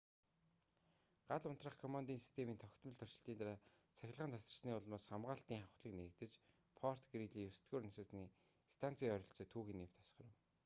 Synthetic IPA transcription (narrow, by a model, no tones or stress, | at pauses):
ɢ̥aɮʊn̥t̪rə̆χkʰɔmant̪iːnsi̥st̪ʰemiːnt̪ʰɔxʲt̪mə̆ɮt̪ʰɔr̥t͡ɕɪ̆ɬt̪iːnaɾaːt͡sʰæxʲɪ̆ɮʁəːnt̪ʰasr̆sniːʊɮmaːsχamʁaːɬt̪iːŋχaχ̆ɮə̆knĕk̚t̪ɘ̆t͡ɕ | pʰɔr̥t̪ɡriɮiːjɵsɘ̥t̪ɡuːrnasə̆t͡sniː | st̪ʰan̥t͡siːœɾʲɞ̆ɬt͡sɔːt̪ʰuːɣiːnːew̥t̪ʰḁsχə̆rə̆w